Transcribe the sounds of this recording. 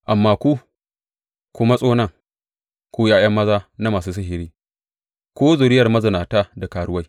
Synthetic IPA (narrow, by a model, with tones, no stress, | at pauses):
ʔa˨mːaː˦kʷu˦ | kʷʊ˦ma˦sʼoː˦nɐ˦˨ŋ | kʷuː˦jaː˦j̰ɐ˦mːɐ˦zaː˦na˦maː˨s̬uː˦s̬ɪ˦ɦɪ˨ɾiː˦ | kʷoː˦zʊ˨ɾɪ˦jɐ˨rmɐ˦zɐ˨naː˨taː˦da˨kaː˨ɽʊ˦wa˦j